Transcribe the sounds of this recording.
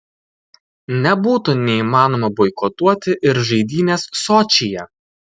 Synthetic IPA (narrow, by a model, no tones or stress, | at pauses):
nʲɛbuːt̪unʲɛiːmɑːnoːmɐbɔɪkɔt̪uɔt̪ʲɪʔɪɾʒɐɪd̪ʲiːnʲeːsːɔt͡ʃʲijɛ